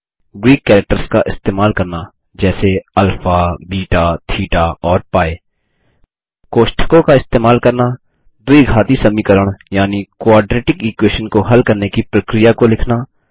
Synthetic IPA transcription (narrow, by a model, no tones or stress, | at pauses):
ɡɾiːkːɛːɾək̚ʈəɾskaʔɪst̪eːmaːlkɐɾna | d͡ʒɛːseɐlfabiːʈat̪ʰiːʈaɔːɾpaːeː | koːʃʈʰə̥kõkaɪst̪eːmaːlkɐɾna | d̪ʊiɡʱaːt̪isɐmikəɾəɽ̃jaːnikwaːɖɾeːʈɪkiːkweːʃənkoɦɐlkɐɾnekipɾəkɾɪjakolɪkʰna